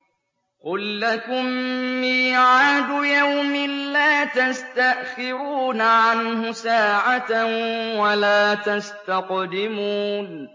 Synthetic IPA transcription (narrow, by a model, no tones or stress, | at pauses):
qʊlːakʊmːiːʕʕaːd̪ʊjawmɪnlːaːt̪ast̪aʔxɪɾuːnaʕanhʊsaːʕa | walaːt̪ast̪aqd̪ɪmuːn